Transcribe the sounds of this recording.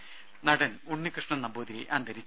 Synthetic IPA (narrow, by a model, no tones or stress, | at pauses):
nɐɽɐn | uɳːikrɨʂɳɐnɐboːd̪iɾiʔɐnd̪ʱɐɾit͡ɕː